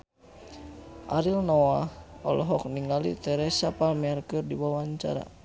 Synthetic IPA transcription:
ʔaɾilnɔwahɔ̰lɔɦɔk̚niŋɡalit̪ɛɾɛsapalmɛrkɨrdibawaɲt͡ʃa̰ɾa̰

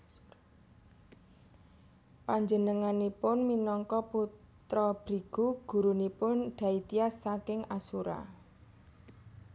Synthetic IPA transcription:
paɲd͡ʒənəŋanipʊnminɔŋkɔput̪ɾɔb̥ɾiɡ̥uɡ̥ṳɾunipʊnɖ̪̥ä̤it̪iasːakɪŋasuɾa̰

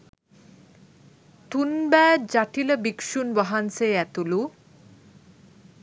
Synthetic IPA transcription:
t̪unbɛd͡ʑaʈiləbikʃunbʌɦanseɛt̪ulu

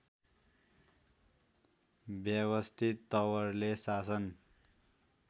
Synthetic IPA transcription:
bjʌwʌst̪ʰit̪ːʌwʌrlesasʌn

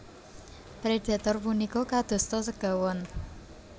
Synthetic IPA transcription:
pɾed̪̥a̤t̪ɔrpunikɔkad̪̥o̤st̪ɔsəɡ̥awɔn

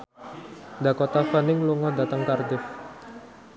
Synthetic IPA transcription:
nd̪akɔt̪afanɪŋluŋɔd̪at̪əŋkard̪ɪf

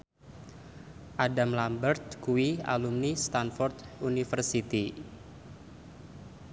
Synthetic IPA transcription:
ʔadamlambərt̪̚kuia̰lumnist̪anfɔrt̪unifərsit̪i

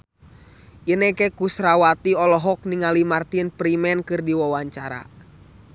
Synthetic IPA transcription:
ʔinɛkɛkusɾawat̪iɔlɔɦɔk̚niŋalimart̪inpɾimɛnkɨrdiwawaɲt͡ʃaɾa̰

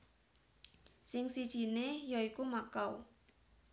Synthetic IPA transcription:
sɪŋsid̥ʒ̥i̤nejɔikumakaw

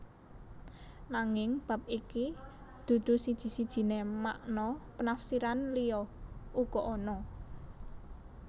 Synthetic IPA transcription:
naŋɪŋb̥ä̤p̚iki | d̪̥ṳd̪̥ṳsid̥ʒ̥i̤sid̥ʒ̥i̤nemaʔnɔpənafsiɾanlijɔuɡ̥ɔ̤ʔɔnɔ

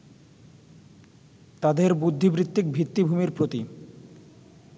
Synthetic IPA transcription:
t̪ad̪eɾbud̪ʱːibɾit̪ːik̚bʱɾit̪ːibʱumeɾpɾot̪i

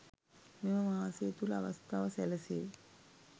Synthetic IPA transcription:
meməmaːaseːt̪ulɐaʋɐst̪ʰaːʋɐsɛlɐse

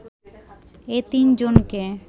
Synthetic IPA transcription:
et̪ind͡ʑonke

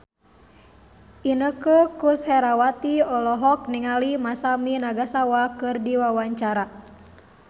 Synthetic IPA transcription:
ʔinəkəkushɛɾawat̪iɔlɔɦɔk̚niŋalimasaminaɡasawakɨrdiwawaɲt͡ʃaɾa

